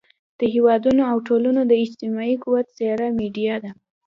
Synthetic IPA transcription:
d̪̥əɦewɑd̪unoawʈolunod̪əɪd͡ʒt̪ɪmɑikuwat̪z̥eɾameɖijɑd̪a

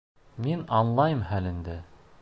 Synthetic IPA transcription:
minɑnlˠɑjɤmhælɘ̆nd̪ɘ

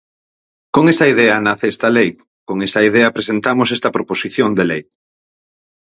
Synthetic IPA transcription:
koŋesɐiðɛɐnaθest̪ɐlej | koŋesɐið̞eɐpɾesent̪amosest̪ɐpɾoposiθjond̪elej

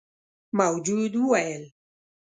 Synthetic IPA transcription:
mawd͡ʒud̪wuɛl

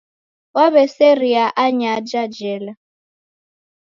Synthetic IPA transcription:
waβɛsɛɾiaʔaɲad͡ʒad͡ʒɛla

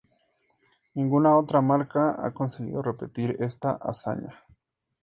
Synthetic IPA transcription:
niŋɡunaot̪ɾamaɾkaa̰konseɣḭðorepet̪iɾest̪aʔa̰sa̰ɲa

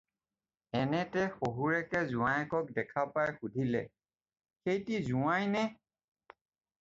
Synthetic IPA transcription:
ɛnɛtɛxoɦuɹɛkɛzʊwajɛkɔk̚dɛkʰapajxudʱilɛ̰ | xejtizuajnɛ

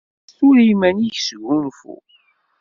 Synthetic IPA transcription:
θʊɾimæniçsɡunfṵ

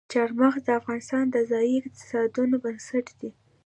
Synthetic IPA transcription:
t͡ʃɑɾmaxd̪əafɣɑnɪst̪ɑnd̪əzɑjiɪq̚t̪ɪ̥sɑd̪unobənsaʈd̪̥i

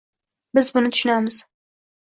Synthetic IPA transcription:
bɪzbʊnɨt̪ʊ̥ʃʊnæmɨz̥

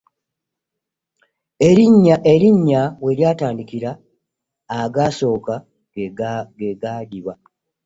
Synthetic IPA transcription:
eɾiɲːaʔeɾiɲːawe̞ljaːtaːndikiɾaː | ɡaːso̞ːka | ɡeɡaːdiβa

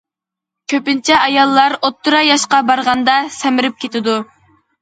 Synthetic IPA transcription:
kʲʰøpɪnt͡ʃʰɛɑjɑlˠːɑɾot̪ʰːuɾɑjɑʃqɑbɑɾʁɑnd̪ɑsɛmɪɾɪp̚kʲʰet̪ɪd̪u

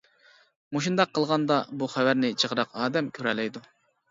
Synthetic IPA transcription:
moʃ̬und̪ɑqʰːəlˠʁɑnd̪ɑbuχæwæɾnɪt͡ʃʰəʁəɾɑqɑːd̪ɛmkʲʰøɾɛlɛjd̪u

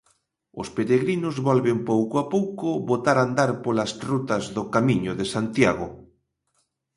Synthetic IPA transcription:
ʊspeɾeɣɾinʊzβɔlβempowkoapowkʊβot̪aɾand̪aɾpolasrut̪ɐzðʊkamiɲʊðesant̪jaɣʊ̰

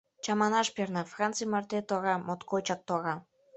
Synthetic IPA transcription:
t͡ɕɑmɑnɑʃpernɑfrɑnt͡sɨjmɑrt̪et̪oɑɣɑmot̪kojt͡ɕɑk̚t̪oɑɣɑ

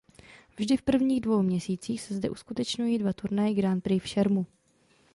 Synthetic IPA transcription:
vʒdɪfpr̩vɲiːɣdvo̞wmɲɛsiːt͡siːxsɛzdɛ̰ʔuskut̪ɛt͡ʃɲujiːdvat̪uɾnajɪɡɾant̪pɾɪfʃɛɾmu

